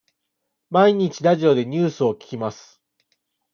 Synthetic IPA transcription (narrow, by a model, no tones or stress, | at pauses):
maiɲ̟it͡ɕiɾaʑio̞d̪e̞ɲ̟ɨːsɨo̞kʲi̥kʲimasɨ̥